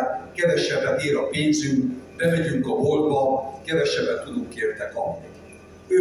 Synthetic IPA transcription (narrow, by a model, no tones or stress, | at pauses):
kɛvɛʃɛbːɛneːɾɒpeːnzyŋkbɛmɛɟyŋkɒɦo̞lbɒkɛvɛʃɛbːɛt̪t̪ːud̪uŋkeːrt̪ɛkɒbni